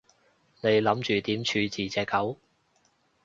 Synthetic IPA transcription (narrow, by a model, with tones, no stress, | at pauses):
ne˨˧jlɐ˨˥mt͡ʃyː˨t̪iː˨˥mt͡ʃʰyː˨˧t͡siː˨˩t͡sɛː˨˧kːɐ˨˥w